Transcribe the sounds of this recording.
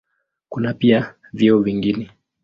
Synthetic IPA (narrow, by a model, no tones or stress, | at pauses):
kunapia | viɔviŋɡinɛ